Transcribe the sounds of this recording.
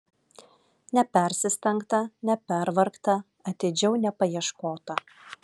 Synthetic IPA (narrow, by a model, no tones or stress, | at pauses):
nʲɛpʲɛˑɾʲsʲɪsʲt̪ʲɛŋkt̪ɐnʲɛpʲɛɾʋɐɾkt̪ɐ | ɐt̪ʲɪd͡ʒʲɛʊnʲɛpɐjiɛʃkoːt̪ɐ